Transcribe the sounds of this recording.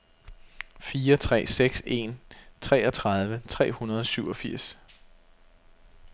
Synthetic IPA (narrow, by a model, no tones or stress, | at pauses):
fiːɐt͡sʰʁɛ̰ːseɡ̥se̝nt͡sʰʁɛ̰ːɒ̽t͡sʰʁɑð̞ˠʋət͡sʰʁɛ̰ːhunɐð̞ˠɒ̽syʊɒ̽fiɐ̰s